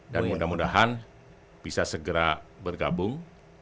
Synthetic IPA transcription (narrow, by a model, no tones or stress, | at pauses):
danmudamundaɦan | b̥isasəɡəɾabərɡabʊŋ